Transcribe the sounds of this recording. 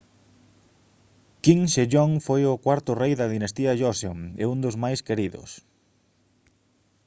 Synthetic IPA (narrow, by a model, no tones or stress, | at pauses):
kiŋʃeʎoŋfojʊkwaɾt̪ʊrejðɐðinɐst̪iɐʒɔso̰ŋɛ̰und̪ʊzmajskeɾiðʊ̰s